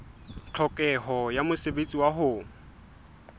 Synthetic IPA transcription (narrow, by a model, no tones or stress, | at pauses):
t͡ɬʰɔkʼɛɦɔjamʊsebet͡sʼiwaɦʊ